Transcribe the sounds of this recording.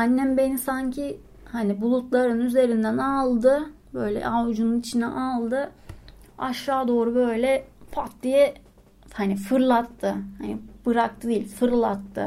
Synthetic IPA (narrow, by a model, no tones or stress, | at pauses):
anːæmbe̞nisaɲcʰi | hanibulˠut̪lˠaɾɯnyze̞ɾind̪ænalˠd̪ɯ | bø̞jlʲɛ̰ʔawd͡ʒununit͡ʃʰinɛ̰ʔalˠd̪ɯ | aʃaːd̪o̞ːɾubø̞jlʲɛpʰat̪̚d̪ijɛ | hanifɯɾlˠat̪ʰːɯhanibɯɾak̚t̪ʰɯd̪ijlʲfɯɾlˠat̪ʰːɯ̰